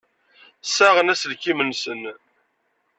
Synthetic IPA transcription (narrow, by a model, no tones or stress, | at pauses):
sæʁənæsəlkːimənsən